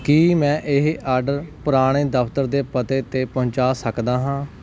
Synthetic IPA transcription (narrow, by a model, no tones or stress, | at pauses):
kiːmɛ̃ːʔɪɦʔaːɾɖəɾpʊɾaːɽ̃eːd̪əpʰt̪əɾd̪eːpət̪eːt̪eːpəɦɲt͡ʃaːsəkd̪aːɦãː